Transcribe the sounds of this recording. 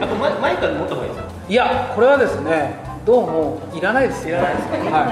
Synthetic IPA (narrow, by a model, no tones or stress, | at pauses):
at̪ːomamaikamot̪ːoɦaid̪esk | iakʰo̞ɾe̞βad̪e̞sɨne̞ | d̪o̞ːmo̞ | iɾanaid̪e̞siɾanaid̪eshai